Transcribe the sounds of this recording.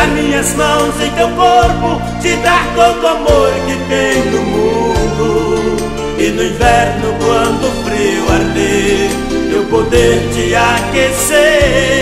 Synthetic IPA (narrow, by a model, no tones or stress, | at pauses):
amĩɲɐzmɐ̃w̃sẽj̃t̪ewkoɾpʊ | t͡ʃɪd̪aɾk̪ot̪ʊamoɾkɪvẽj̃d̪ʊmũd̪ʊ | ɪnʊĩvɛɾnʊkwɐ̃nd̪ʊfɾewaɾd̪e | ewpod̪eɾt͡ʃɪakese